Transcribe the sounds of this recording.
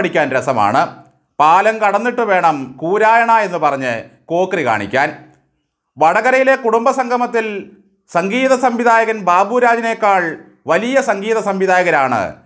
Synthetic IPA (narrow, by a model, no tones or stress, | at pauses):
ɽikʲːaːnɾesɐma̰ːɳɨ | paːlɐmkɐɽɐnːiʈːɨʋe̞ːɳɐmkuːɾaːjɐɳɐe̞nːupɐrɐɲːɨ̰ko̞ːkrika̰ːɳḭkʲːa̰ːn | ʋɐɽɐɣɐɾɐjile̞kuɽumbɐsɐŋɡʱɐmɐt̪ːil | sɐŋɡiːðɐsɐmʋiðʱaːjɐɣɐnbaːbuːɾaːd͡ʑinekːaːɭ | ʋɐlijɐsɐŋɡiːðɐsɐmʋiðaːjɐɣɐɾaːɳɨ̰